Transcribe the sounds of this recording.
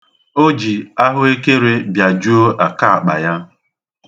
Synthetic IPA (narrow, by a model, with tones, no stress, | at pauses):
o˦d͡ʒi˨a˦ɦʊ˦e˦ke˦ɾe˦bja˨d͡ʒu˦o˦ʔa˨ka˦a˨k͡pa̰˨ja˦